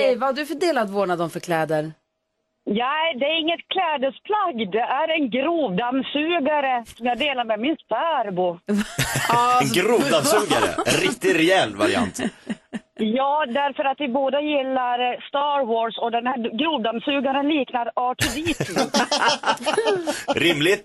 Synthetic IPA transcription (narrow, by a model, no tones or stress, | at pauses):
ɛjvahaɖɵfœɖeːlat̪voːɳad̪ɔmfœɾkʰlɛːd̪əɾ | nɛɪd̪ɛæɾɪŋːət̪̚kʰlɛːd̪əspʰlaɡd̪ɛʔæɾɛnɡɾuːvd̪amsʉ̟ːɡaɾəsɔmjɑːɡd̪eːlaɾmɛmɪnspaɾbʊ | ɛnɡɾuːvd̪amsʉːɡa̰ɾə̰ɛ̰nɾɪkt̪ɪɾɛɛlvaɾɪ̰a̰nt̪ | jɑːd̪æɾfœɾat̪vɪboːd̪əjɪlːaɾst̪ɑɾwosɔd̪ɛnhæɡɾuːvd̪amsʉ̟ːɡaɾənliːknaɾɑːʈʰʉbiːt̪ʰʉ | ɾɪmlɪt̪